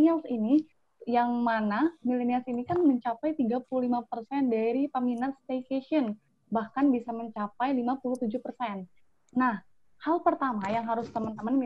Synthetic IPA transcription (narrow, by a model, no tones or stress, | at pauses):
iasini | jaŋmanamileniasinikanməɲt͡ʃapajt̪iɡapululimapərsɛndaɾipəminat̪̚st̪ekeʃən | bahkanbisaməɲt͡ʃapajlimapuluht̪ud͡ʒuhpərsɛnː | ah | halpərt̪amajaŋɦaɾʊst̪əmənt̪əmən